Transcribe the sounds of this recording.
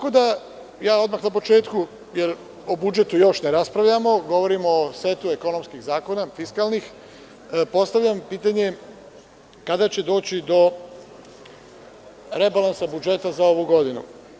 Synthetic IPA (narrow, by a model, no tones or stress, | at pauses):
t̪akod̪a | jaːo̞d̪maxnap̬o̞t͡ʃe̞ːt̪ku | jeɾ | obud͡ʒe̞t̪ujo̞ʃneɾaspɾaʋʎamo̞ɡo̞ʋo̞ɾimose̞t̪ue̞ko̞no̞mskiɣzaːko̞nafiskalnix | po̞st̪aʋʎʲampiːt̪aɲe̞ | kad̪at͡ɕe̞d̪o̞ːt͡ɕid̪o̞ | ɾe̞balˠansabud͡ʒe̞t̪azao̞ʋuɡo̞d̪inṵ